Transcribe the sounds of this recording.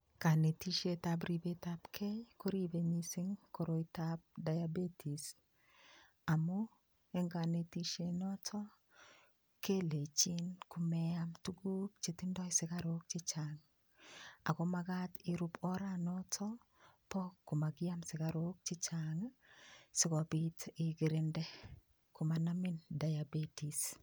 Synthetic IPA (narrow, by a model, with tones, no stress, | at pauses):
ka˨ne˨ti˦ʃe˦tabɾi˨be˦tapkʰɛ˦ko˦ɾi˦be˨ɲi˦sɪ˦ŋko˨ɾo˨itab̚da˨jabe˦tʰi˨s | a˨mu˦ | e˦ŋɡa˨ne˨ti˦ʃe˦nɔ˦tʰɔ˦ | ke˦le˨t͡ʃi˦nkʊ˨mɛ˦amtu˦ɡu˦k̚t͡ʃe˨tɪ˦ndɔ˦ɪsɪ˨ka˦ɾo˦k̚t͡ʃɪ˦t͡ʃaŋ | a̰˨kɔ˦ma˦ɡa˦tɪ˨ɾu˦pʰɔ˦ɾanɔtʰɔ˦ | pɔ˦kːʊ˨ma˨ɡɪ˦a˦msɪ˨ka˦ɾo˦k̚t͡ʃɪ˦t͡ʃaŋ | sɪ˦kɔ˨bɪtɪ˨ɡɪ˨ɾɪ˦ndɛ˦ | kʊ˨ma˨na˦mɪ˦nda˨jabe˦ti˨s